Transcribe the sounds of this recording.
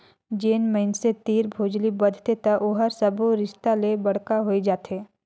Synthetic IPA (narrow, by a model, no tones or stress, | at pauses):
d͡ʒeːnməɪnset̪iːɾbʱoːd͡ʒlibɐd̪ʱt̪et̪ɐʔoːɦəɾsɐboɾɪʃt̪alebɐɽ̤kaɦoid͡ʒaːt̪eː